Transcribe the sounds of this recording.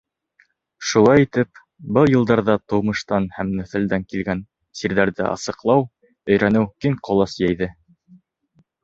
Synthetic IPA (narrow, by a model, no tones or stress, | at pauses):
ʃulˠɑjit̪ɘp̚ | bɤlˠjɤ̆lˠd̪ɑɾðɑt̪ɤ̆wmɤ̆ʃt̪ɑnhæmnæ̆θɘ̆ld̪æŋkilɡæn | siɾðæɾðɘ̰ʔɑ̰sɤ̆qlˠɑw | ɵ̆jɾænɘwkiŋqʰŏlˠɑsjæjðɘ